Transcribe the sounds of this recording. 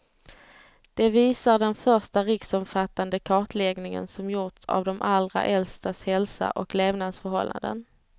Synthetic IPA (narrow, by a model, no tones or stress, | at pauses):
d̪̥ɛviːsaɖɛnfœɾʂʈaɾɪksɔmfat̪ːand̪əkʰɑːʈlɛɡnɪŋə̰nsɔmjʊʈsa̰vd̪ɔmʔalɾa̰ʔɛlst̪ashɛlsa̰ʔɔkleːvnad̪sfœɾhɔlːa̰nd̪ə̰n